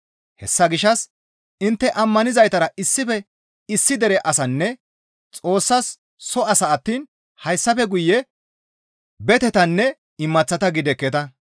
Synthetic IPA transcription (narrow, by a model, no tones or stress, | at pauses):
hɛsːɐɡɪʃːɐs | ɪnt̪ːɛʔɐmːɐnɪzɐjt̪ɐɾɐʔɪsːɪfɛ | ɪsːɪd̪ɛɾɛʔɐsɐnːɛ | t͡sʼo̞ːsːɐsː | ɔɐsɐːt̪ːiːn | hɐjsːɐfɛɡʊjːɛ | bɛt̪ɛt̪ɐnːɛ | ɪmːɐt͡sːɐt̪ɐɡɪd̪ɛkːɛt̪ɐ